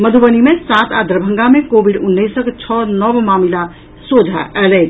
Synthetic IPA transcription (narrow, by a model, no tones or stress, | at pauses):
məd̪ʱubənimesat̪a̰d̪ʱɾəbʱə̃ŋɡamẽkobiɖʊnːisəkt͡ʃʰɔnəʋmamila | sod͡ʒʱa̰ʔɛlɛ